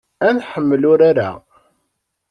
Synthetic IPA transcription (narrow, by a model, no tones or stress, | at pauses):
ænħəmːəlʊɾaɾa̰